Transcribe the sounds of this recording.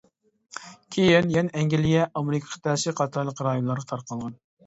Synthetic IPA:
kʲʰejɪnjɛnɛɛŋɡʲɪlɪjɛʔɑmeɾɪkʰʲɑ̥qʰt̪ʰɛsɪqʰɑt̪ʰɑɾlˠəqɾɑjonlˠɑɾʁɑt̪ʰɑɾqʰəlˠʁɑn

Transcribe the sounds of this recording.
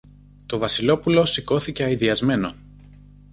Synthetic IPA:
t̪o̞vɐsilo̞pulo̞siko̞θice̞ɐiðiɐzme̞no̞

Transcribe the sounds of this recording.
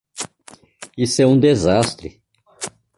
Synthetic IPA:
isɛũd̪ezast̪ɾɪ̰

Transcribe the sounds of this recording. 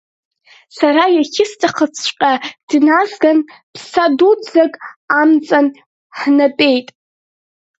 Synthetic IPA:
saɾajaχʲɪstʰaχət͡sʰʃʷʼqʲʼad̥nazɡan | pʰsadud͡zakʼamt͡sʼan | ħnapʼe̞jtʼ

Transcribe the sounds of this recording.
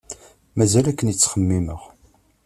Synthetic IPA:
mæzælækːənjət͡sːχəmːiməʁ

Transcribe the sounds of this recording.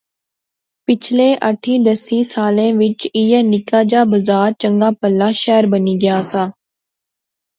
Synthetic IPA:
pɪt͡ʃʰlẽːʔəʈʰiːd̪əsiːsaːlẽːʋɪt͡ʃɪjanɪkaːd͡ʒaːbəzaːɾt͡ʃə̃ŋɡaːpəlːaːʃɛːɾbəniːɡɪjaːsaː

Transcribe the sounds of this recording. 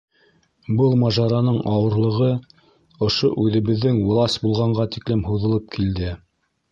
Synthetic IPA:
bɤlˠmɑʒɑɾɑnɤɴɑwɤ̆ɾlˠɤ̆ʁɤ | ŏʃoʔʉðɘ̆βɘ̆ðːɘŋwɤ̆lˠɑsbulˠʁɑɴɢɑt̪iklɘmɦuðɤ̆lˠɤp̚kʰild̪ɘ

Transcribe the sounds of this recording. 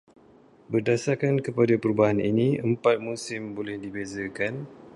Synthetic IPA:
bərdasarkankəpadapəɾubaɦaninĩəmpat̪̚musɪmbolɛhdibezakan

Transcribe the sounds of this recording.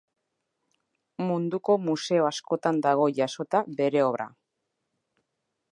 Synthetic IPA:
mund̪uko̞muse̞oasko̞t̪and̪aɣ̞o̞ʝaso̞t̪abe̞ɾe̞o̞βɾa̰

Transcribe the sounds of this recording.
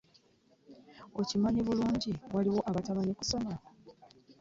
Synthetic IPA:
o̞cimaɲeβuluːɲɟiwaliwo̞ʔaβatamaɲekuso̞ma

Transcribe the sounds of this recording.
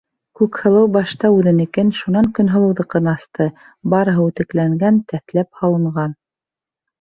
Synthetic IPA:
kʉkhɤ̆lˠɤwbɑʃt̪ɑʉðɘ̆nɘ̆kɘnʃunɑŋkɵ̆nɦɤ̆lˠɤ̆wðɤ̆qɤnɑst̪ɤ | bɑɾɤ̆ɦɤʉt̪ɘ̆klæŋɡænt̪æθlæp̚hɑlˠɤ̆ɴɢɑn

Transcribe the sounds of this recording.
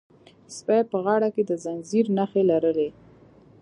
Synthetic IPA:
spajpəɣɑɽaked̪əzanziɾnaxelaɾəle

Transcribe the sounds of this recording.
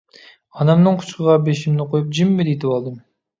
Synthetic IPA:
ɑnɑmnɨŋqʰʊ̥t͡ʃqəʁɑbeʃimnɪqʰojup̚d͡ʒɪmːɪd̪et̪ʰɪpɑlˠd̪ɨm

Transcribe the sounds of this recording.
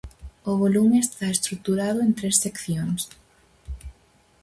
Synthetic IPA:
ʊβ̞olumeest̪aest̪ɾuk̚t̪uɾað̞ʊent̪ɾesːekθjoŋs

